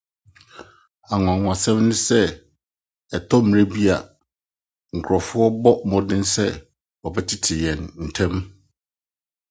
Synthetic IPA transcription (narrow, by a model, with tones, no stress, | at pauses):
a˨ŋʊ̃˨ã˨ŋʊ̃˨a˨sɛ̃˦mnʊ̃˦sɛ˦ | ɛ˨tʰɔ˦m̩̃˨ɾɛ˦bi˦a˨ | ŋ̩˨kʰɾɔ˨fʊ˦ɔ˦bɔ˦mɔ̃˦dɪ̃˦nsɛ˦ | wɔ˨bɛ˦tʰɪ˦tʰɪ˨jɛ̃˨nn̩˨tʰɛ̃˦m